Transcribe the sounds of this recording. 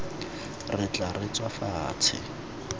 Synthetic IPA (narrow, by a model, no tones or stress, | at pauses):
rɪt͡ɬʼarɪt͡sʼwafaːt͡sʰɪ̰